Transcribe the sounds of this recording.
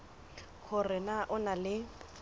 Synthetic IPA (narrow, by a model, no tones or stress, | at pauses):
kʰʊrɪnaʔʊnalɪ